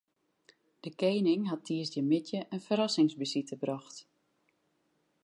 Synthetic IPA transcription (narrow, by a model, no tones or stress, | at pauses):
d̥əkeːnɪŋɦatʰːiəsjəmɪtjəʔənfəɾɔsɪŋsbisitəbrɔxt